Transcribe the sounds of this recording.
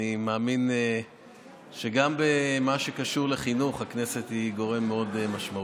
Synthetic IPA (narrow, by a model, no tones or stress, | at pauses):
imaːmin | ʃeɡambemaʃe̞kaʃuʁleχinuχhakne̞se̞t̪hiɡo̞ʁe̞mːeo̞demaʃmau